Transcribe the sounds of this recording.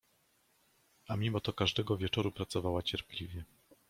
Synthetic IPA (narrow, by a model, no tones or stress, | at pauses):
ʔamʲimɔt̪ɔkaʐd̪ɛɡɔvʲjɛt͡ʂɔɾupɾat̪sɔvawat͡ɕɛɾplʲivʲjɛ